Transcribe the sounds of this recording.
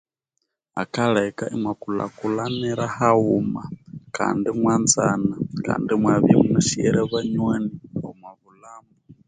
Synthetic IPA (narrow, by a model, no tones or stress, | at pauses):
a̰kʰaɺɛkaʔimwakula̰kulanɛɾahaumakʰa̰ndimwand͡zanakʰa̰ndimwaβimunaʃiɛɾɛβaɲwɛniɔmwaβulaːmu